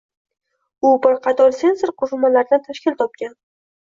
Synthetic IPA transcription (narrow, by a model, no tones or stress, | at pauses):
ʊbɪɾqʰɑt̪ʰɒɾse̞nsoɾqʰoʃʊmːalaɾd̪ant̪ʰaʃkʲɪlt̪ʰɒp̚kʲan